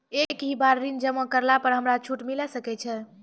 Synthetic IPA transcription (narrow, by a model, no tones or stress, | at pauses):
ekɦibaɾːind͡ʒəməkəɾlapəɾɦəmɾat͡ʃʰuʈmilɛsəkɛt͡ʃʰɛ